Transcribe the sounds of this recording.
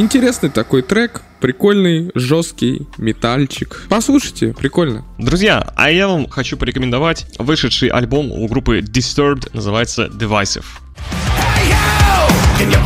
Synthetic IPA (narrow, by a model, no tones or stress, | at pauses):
ɪnʲtʲɪɾʲe̞snɨjt̪ɐko̞jt̪ɾɛk | pɾʲɪkolʲnɨjʐost̪̚kʲɪjmʲɪt̪alʲt͡ɕɪkpɐslˠuʂɨjtʲɪ̰pɾʲɪkolʲnə̰d̪ɾʊzʲja̰ɐ̰javamxɐt͡ɕupəɾʲɪkəmʲɪnd̪ɐvatʲvɨʂɨt̪ʂɨjʔɐ̰lʲbo̞mʊ̰ɡɾupːɨdʲɪst̪ərbt̪nəzɨvajɪt̪sə̰dʲɪvajsʲɪ̰f